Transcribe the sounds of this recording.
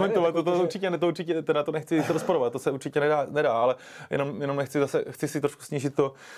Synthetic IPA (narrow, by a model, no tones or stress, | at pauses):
mɛnt̪ovat̪ːot̪ouɾt͡ʃɪcɛnɛt̪ouɾt͡ʃɪcɛt̪ɛnat̪onɛxt͡sɪɾospoɾovat̪̚t̪ːosɛuɾt͡ʃɪcɛnɛdaːnɛdaːalɛ | jɛ̰no̞mjɛnomnɛxt͡sɪzasɛxt͡sɪsɪt̪ɾoʃku̥sɲiːʒɪt̪ːo